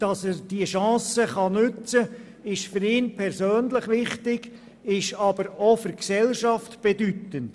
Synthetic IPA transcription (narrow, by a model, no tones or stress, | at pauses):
d̥ɑsɛːɾd̥iəʃɑ̃ːsəχɑnʉt͡sə | ɪʃfʏɾɪːnpʰɛɾsøːnləχʋɪχtɪɡ | ɪʃɑb̥əɾofʏɾksɛlʃɑftb̥edytənt